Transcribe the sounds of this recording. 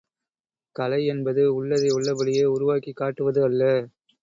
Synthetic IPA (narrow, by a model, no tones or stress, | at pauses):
kɐlɐɪɛnbɐðɯʊɭːɐðɐɪʊɭːɐbɐɽɪjeːʊɾʊʋaːkikːaːʈːɯʋɐðɯɐlːɐ